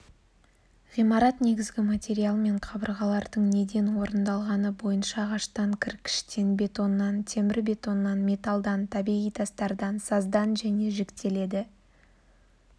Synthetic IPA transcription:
ʁijmɑɾɑt̪ne̞ɡʲɪzɡʲɪmat̪ʲe̞ɾijalˠme̞ɴqʰɑbəɾʁɑlˠɑɾd̪əɴne̞d̪e̞nwo̞ɾənd̪ɑlˠʁɑnəbo̞jənʃɑʁɑʃt̪ɑŋkʲʰɪɾkʲːʰɪ̥ʃt̪e̞nbe̞t̪o̞nːɑnt̪ʰe̞mɪɾbe̞t̪o̞nːɑnme̞t̪alˠd̪ɑnt̪ʰɑbiʁijt̪ʰɑst̪ɑɾd̪ɑnsɑzd̪ɑnʒæne̞ʒekt̪e̞le̞d̪ɪ

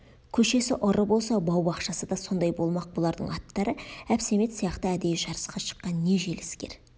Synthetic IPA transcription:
kʲʰɵʃe̞sɪʔʊɾəbo̞lˠsɑbɑwbɑqʃɑsəd̪ɑso̞nd̪ɑjbo̞lˠmɑq̚bolˠɑɾd̪ə̰ɴɑt̪ːɑɾəæpse̞me̞t̪sijɑqt̪əæd̪e̞jʒɑɾəsqɑʃə̥qːɑnːe̞ʒe̞lɪskʲe̞̰ɾ

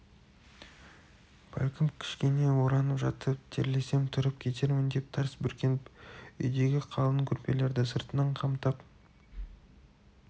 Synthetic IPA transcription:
b̥æ̰lʲkʲɪmkʲʰɪ̥ʃkʲe̞ne̞woɾɑnəpʒɑt̪əp̚t̪ʰeɾle̞se̞mt̪ʰʊɾəp̚kʲʰe̞t̪̬e̞ɾmɪnd̪e̞p̚t̪ʰɑɾsbʏɾkʲe̞nɪpʏjd̪e̞ɡʲɪqʰɑlˠəŋkʲʰʏɾpe̞le̞ɾd̪ɪsəɾt̪ənəɴqʰɑmt̪ɑp

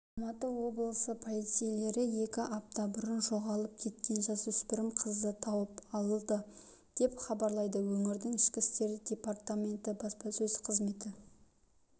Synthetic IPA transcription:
ɑlˠmɑt̪əwo̞blˠəsəpʰo̞lˠijt̪sɨjele̞ɾɪje̞kʲɪʔɑp̚t̪ɑbʊɾənʒo̞ʁɑlˠəp̚kʲʰe̞t̪kʲe̞nʒɑzʏspɪɾɪmqʰəzd̪ət̪ʰɑwəpɑlˠəlˠd̪ə | d̪̥e̞pχɑbɑɾlˠɑjd̪əwɵŋɪɾd̪ɪŋɪʃkʲɪst̪e̞ɾd̪ʲe̞part̪amʲe̞nt̪ɪbɑspɑsɵzqʰəzme̞t̪ɪ

